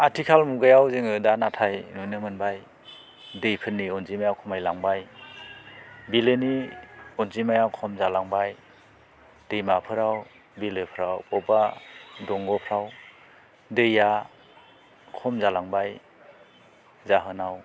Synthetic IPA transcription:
atʰikʰalmuɡajawzɯŋɯdanatʰajnunɯmɯnbaj | dɯjpʰɯnːiɔnzimajawkʰɔmajlaŋbaj | bilɯniɔnzimajawkʰɔmzalaŋbaj | d̥ɯjmapʰɯɾaw | bilɯpʰɾawpɔbadɔŋɡɔpʰɾaw | dɯja | kʰɔmzalaŋbaj | zaɦɯnaw

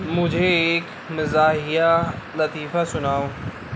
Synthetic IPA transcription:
mʊ̃d͡ʑʱeːk | mɪzaːɦija | lɐt̪iːfasʊnaːoː

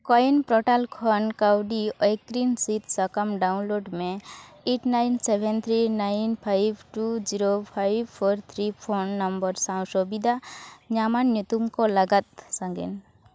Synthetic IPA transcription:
kɔnpɾɔʈalkʰɔnkawɖiɔjkɾinsit̪səkəmɖaunloɖmẽ | eʈnajnsebʱɛnt̪ʰɾinajnpʰajbʈud͡ʒiɾopʰajbpʰɔɾt̪ʰɾipʰonːɐmbəɾsãw̃ʃobid̪ʱaɲamanjut̪umkoləɡət̪sãŋɡḛn

